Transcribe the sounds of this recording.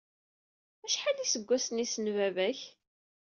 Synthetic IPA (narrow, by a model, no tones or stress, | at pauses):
æʃħalisəɡʷːæsnisənvævæç